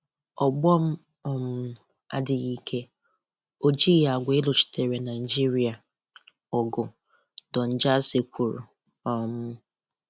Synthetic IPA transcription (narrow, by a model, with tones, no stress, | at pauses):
ɔ˨ɡ͡bɔ˦m̩˦ | ɔ˦m̩˦ | a̰˦dɪ˨ɣi˦kʰe˦ | o˦d͡ʒi˦ɣa˨ɡʷe˦lʊ˨t͡ʃi̥˨tʰe˨ɾe˨na˨i˨d͡ʒi˦ɾi˨a˨ | ɔ˨ɡʊ˨ | dɔ˨n̩˦˨d͡ʒa˦se˨kʷu˨ɾṵ˨ | ɔ˦˨mʊ˦